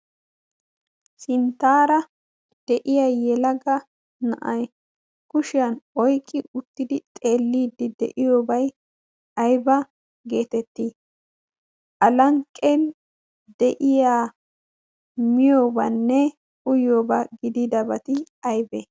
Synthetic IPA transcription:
sɪnt̪ːaːɾɐ | d̪̥ɛʔɪjajɛlɐɡɐ | nɐ̰ʔɐj | kʊʃɪjɐnɔjkʼːɪʊt̪ːɪd̪ɪt̪ʼe̞ːlːiːd̪ɪd̪ɛ̰ʔɪjoːbɐj | ɐjbɐ | ɡe̞ːt̪ɛt̪ːiː | ʔɐlɐŋkʼːɛn | d̪ɛʔɪjaː | mɪjoːbɐnːɛ | kʊjoːbɐɡɪd̪id̪ɐbɐt̪ɪ | ɐjbɛ

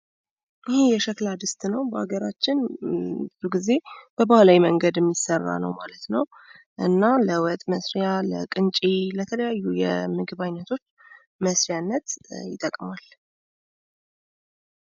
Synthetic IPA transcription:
ʔɪhejɛʃəklad̪ɨst̪nəwbəa̰ɡəɾat͡ʃːɪnbɨzuɡize̞b̥əbahlawiməŋɡəd̪ɛmːisərːa̰nə̰wmalət̪nəw | ʔɨnːaləwət̪ʼməsɾjalə̰kʼɨnt͡ʃʼilət̪ʰələjajːujɛ̰mɨɡɨβajnːət̪ʰo̞t͡ʃː | məsɾjanːət̪jɪt̪ʼːəkʼmal

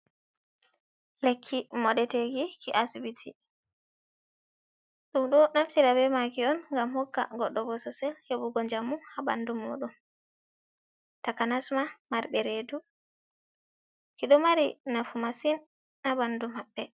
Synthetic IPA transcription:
lekʰːimɔɗɛteɡikiʔasibitʰḭ | ɗumɗɔnaftiɾabɛmakiɔnŋɡamhɔkːa̰ɡɔɗːɔbɔsɔsɛlhebuɡɔɲd͡ʒamːuhaba̰ndumo̰ɗum | takanasmamaɾbɛɾedu | kiɗɔmaɾinafumasin | abandumabːɛ

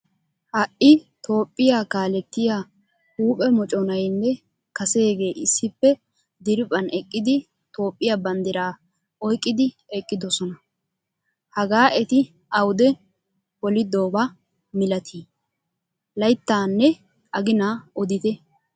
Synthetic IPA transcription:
hɐʔɪt̪o̞ːpʼːɪjakaːlɛt̪ːɪjaː | huːpʼɛmɔt͡ʃʼɔnɐjnːɛ | kɐse̞ːɡe̞ːʔɪsːɪpːɛ | d̪ɪɾɪpʼɐnɛkʼːɪd̪ɪ | t̪o̞ːpʼːɪjabɐnd̪ɪɾaː | ɔjkʼːɪd̪ɪ | ɛkʼːɪd̪ɔsɔnɐ | hɐɡaːʔɛt̪ɪ | ʔɐwʊd̪ɛ | bɔlɪd̪o̞ːba | mɪlɐt̪ʰiː | lɐjt̪ːaːnːɛ | ʔɐɡɪnaɔd̪ɪt̪ɛ

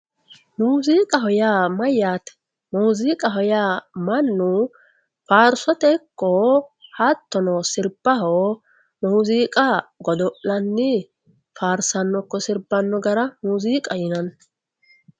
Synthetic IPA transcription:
muːziːkʼɐɦɔjaːmɐjaːt̪ɛ̥ | muːziːkʼɐɦɔjaːmɐnːu | faːɾsɔt̪ɛkːɔhat̪ːɔnɔsɪɾb̥ɐhoː | muːziːkʼɐɡɔd̪ɔʔlːɐnːɪ | faːɾsɐnːɔkːɔsɪɾbɐnːɔɡɐɾɐmuːziːkʼɐjɪnɐn

